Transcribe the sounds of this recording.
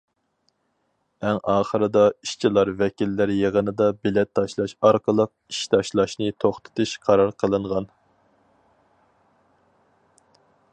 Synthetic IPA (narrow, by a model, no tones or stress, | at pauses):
ɛŋɑːχəɾɨd̪ɑiʃt͡ʃʰilˠɑɾvɛkʲilːæɾjeʁənɨd̪ɑbɪlɛt̪ʰːɑʃlˠɑʃɑɾqʰəlˠəq̚i̥ʃt̪ʰɑʃlˠɑʃnɨt̪ʰoχt̪ʰɨ̥t̪ʰɨʃqʰɑɾɑɾqʰəlˠɨɴʁɑn